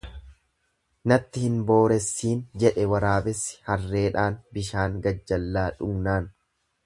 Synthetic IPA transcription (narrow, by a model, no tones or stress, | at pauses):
nɐt̪ːɪhɪnbo̞ːɾɛsːiːnd͡ʒɛᶑɛwɐɾaːbɛsːɪ̥hɐrːe̞ːᶑaːnbɪʃaːŋɡɐd͡ʒːɐlːaːᶑʊɡnaːn